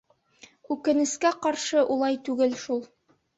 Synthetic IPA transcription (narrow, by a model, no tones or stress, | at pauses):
ʉkɘ̆nɘ̆skæqɑɾʃɤʔulˠɑjt̪ʉɡɘlʃulˠ